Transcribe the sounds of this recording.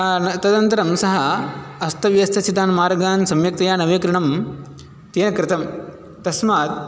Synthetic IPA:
ɐt̪ɐd̪ɐnt̪ɐɾɐmsɐɦɐɐst̪ʰɐʋjɐst̪ʰɐt͡ʃit̪aːnmaːɾɐɡaːnsɐmjɐk̚t̪ɐjaːnɐʋeːkɾɐɳɐm | t̪iːnɐkɾɪt̪ɐm | t̪ɐsmaːt̪̚

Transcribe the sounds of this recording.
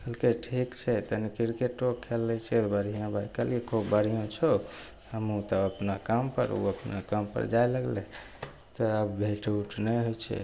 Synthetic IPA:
kəlkeʈʰikt͡ʃʰɛt̪ənikiɾkeʈokʰelːɛt͡ʃʰɛt̪bəɾ̤ijãbʱakəliekʰobəɾijõt͡ʃʰo | həmut̪ɔəpnakampə̰ɾṵəpnakampə̰ɾd͡ʒajləɡlɛ | t̪ɔəbbʱeʈuʈʰnɛɦojt͡ʃʰɛ̰

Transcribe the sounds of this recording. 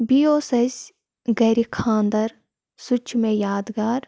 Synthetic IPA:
biːoːsɐsʲ | ɡɐːɾikʰãːnd̪ɐɾ | sʊt͡ʃʰmẽjaːd̪ɡaːɾ

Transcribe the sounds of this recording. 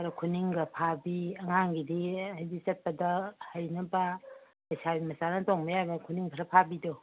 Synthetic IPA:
ɾɐkʰuniŋɡɐpʰabiɐŋaŋɡidihajzik̚t͡ʃɐt̚pɐdɐhɐjnɐbɐ | pɐjsʰabimɐsanɐtoŋbɐjabɐkʰuniŋkʰɐɾɐpʰabidɔ

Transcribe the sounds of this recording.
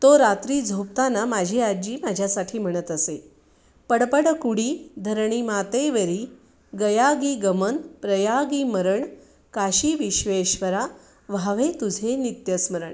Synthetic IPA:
t̪oɾat̪ɾiːd͡zʱopt̪anamad͡ʑʱiɾad͡ʑiːmad͡ʑʱjasaʈʰiːm̤əɽ̃ət̪əse | pəɽpəɽkuɽiːd̪ʱəɾɳimat̪eʋəɾiː | ɡəjaɡiːɡəmənpɾəjaɡiːməɾəɳ | kaɕiːʋiɕʋeɕʋəɾa | ʋʱaʋet̪ud͡zʱenit̪jəsməɾəɳ

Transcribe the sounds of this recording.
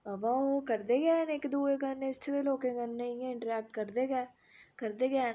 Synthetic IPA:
əʋaːokəɾd̪eːɡɛːnɪkd̪uːekənːẽɪst̪ʰeʋeloːkẽɡənːẽjẽɪ̃ɳʈəɾɛːk̚ʈkəɾd̪eːɡɛː | kəɾd̪eːɡɛː

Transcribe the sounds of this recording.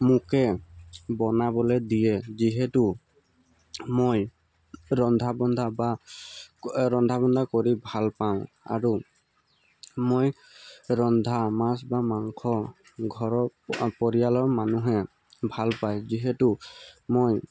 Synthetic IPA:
mʊkɛbɔnabɔlɛdijɛziɦɛtʊ | moj | ɹɔnd̪ʱabɔnd̪ʱaba | ɹɔnd̪ʱabɔnd̪ʱakoɹibʱalpaʊ̃ | a̰ɹu | moj | ɹɔnd̪ʱamasbamaŋkʰɔ | ɡʱɔɹɔpɔɹijalɔɹmanuɦɛ | bʱalpajziɦɛtʊmoj

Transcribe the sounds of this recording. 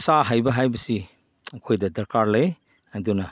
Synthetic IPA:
saɦajbɐɦajbɐsi | ɐkʰojdɐdɐɾkaɾlej | ɐdunɐ

